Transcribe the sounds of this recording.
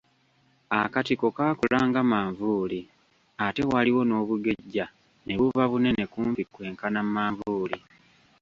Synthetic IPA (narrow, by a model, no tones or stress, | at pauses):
akatiko̞kaːkulaːŋɡamaːɱvuːli | ate̞waliwo̞no̞ːβuɡe̞ɟːa | ne̞βuvaβune̞ne̞kuːmpikwe̞ːŋkanamːaːɱvuːli